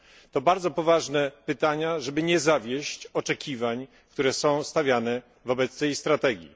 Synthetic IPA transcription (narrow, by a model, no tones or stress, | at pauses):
t̪ɔbaɾd̪zɔpɔvaʐnɛpɘt̪aɲaʐɛbɘɲɛzavʲjɛɕt͡ɕɔt͡ʂɛkʲivaɲ | k̚t̪uɾɛsɔ̃w̃st̪avʲjanɛ | vɔbɛt̪st̪ɛjst̪ɾat̪ɛɡʲjḭ